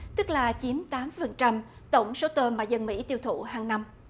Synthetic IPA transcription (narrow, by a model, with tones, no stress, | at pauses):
t̪ɨ˦˥k̚laː˨˩t͡ɕi˨˦mt̪aː˨˦mfə˨˩nt͡ɕa˧m | t̪ə˧˩wŋ͡mso˨˦t̪əː˧maː˨˩jzə˧nmḭ˧˥t̪i˧wt̪ʰṵ˧˨ɦaː˨˩ŋna˧m